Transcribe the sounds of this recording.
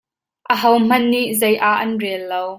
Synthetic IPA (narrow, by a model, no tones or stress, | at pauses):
ʔəɦɐwm̥ɐnːiʔzɐjʔaʔɐnrɛlːow